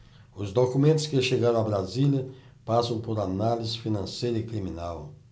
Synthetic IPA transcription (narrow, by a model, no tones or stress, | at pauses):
ʊzd̪okumẽnt̪ʊ̥skɪʃeɡaɾɐ̃abɾaziljɐ | pasɐ̃w̃poɾanalizɪfinɐ̃sejɾɐikɾimĩnaw